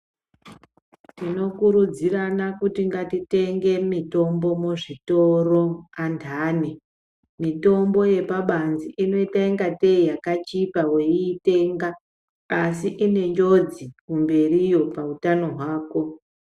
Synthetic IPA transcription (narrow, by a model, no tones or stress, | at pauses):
tino̞kuɾud͡ziɾanakutiŋɡatite̞ŋɡe̞mito̞mbo̞muʐito̞ro̞antʰaːne | mito̞mbo̞je̞paɓanziʔino̞itaiŋɡate̞ijakat͡ʃipawe̞iːte̞ŋɡaː | siʔine̞ɲd͡ʒo̞d͡zikumbe̞rijo̞pautano̞ɦwaːko̞